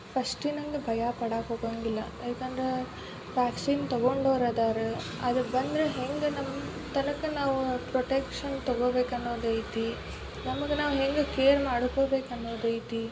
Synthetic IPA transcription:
fɐʂʈinɐŋɡɐbʱɐjaːpɐɽaːkoːɣɐŋɡɪlːɐ | ɐkɐnd̪ɾɐ | ʋaːksiːnt̪ɔɣoɳɖoːɾaðaːɾɯ | ɐðɯbɐnd̪ɾɐɦɛŋɡɐnɐm | t̪ɐnɐkːɯnaːʋpɾɔʈekʂɐnt̪ɔɣɐbeːkːɐnːoːd̪ɐjt̪ːi | nɐmɐkːɯnaːʋɦɛŋɡɐkeːɾmaːɽɯpːɐbeːkːɐnːoːd̪ɐjt̪ːi

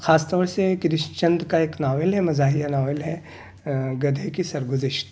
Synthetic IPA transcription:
xʰaːst̪ɔːɾsekɾɪʃt͡ʃɐ̃nd̪kaeːknaːʋɪlɦɛmɐzaːɦijanaːʋɪlɦɛ | ɡɐd̪ʱekisɐɾɡʊzɪʃt̪

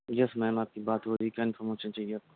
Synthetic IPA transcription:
jɛsmɛːmaːp̚kibaːt̪ɦoːɾiːkaɪ̃nfʰəɾmoːʃə̃nt͡ʃɐjɐ

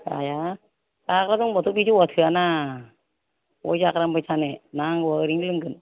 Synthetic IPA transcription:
a̰ja | akɾazɔŋbɔtʰubid͡ʒuwatʰɯana | ɔ̰jzakɾambajsʰanenaŋaɾiŋlɯŋɡɯn

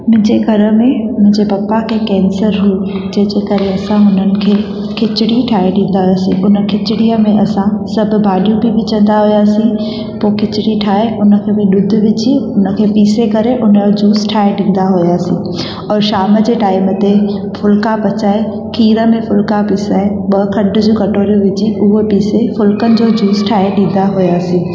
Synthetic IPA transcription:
mʊ̃ɦɪ̃ɲd͡ʑeɡʱɐɾə̆mẽmʊ̃ɦɪ̃ɲd͡ʑepɐpːakʰeːkɛ̃ːnsəɾɦui | d͡ʑɐ̃ɦːd͡ʑekɐɾeɐsãɦʊnənɪ̆kʰeː | kʰɪt͡ɕɪɽiʈʰaːeɖĩːn̆d̪aɦujaːsĩʔʊnə̆kʰɪt͡ɕɪɽiəmẽʔɐsãsɐbʱʊ̆bʱaːɖijũbibɪt͡ɕə̃nd̪aɦujaːsĩ | poːkʰɪt͡ɕɪɽiʈʰaːeʊnə̆kʰeːbɪ̃ɗʊd̪ʱʊ̆ʋɪt͡ɕiʊnə̆kʰeːpiːsekɐɾeʔʊnəod͡ʑuːsʈʰaːeɗĩːnd̪aɦʊjaːsĩː | ɔːɾʃaːməd͡ʑeːʈaːɪmət̪e | fʊlkapɐt͡ɕaːe | kʰiːɾəmẽfʊlkapiːsaːeɓɐɦkʰɐ̃ɳɖ̆d͡ʑũːkɐʈoːɾjũʋɪd͡ʑiʊɦopiːsefʊlkənɪ̆d͡ʑoːd͡ʑuːsʈʰaːeɗĩːn̆d̪aɦʊjaːsĩː

